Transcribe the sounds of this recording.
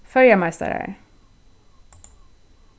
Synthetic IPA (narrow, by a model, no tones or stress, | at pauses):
fœljamæɪst̪a̰ɾə̰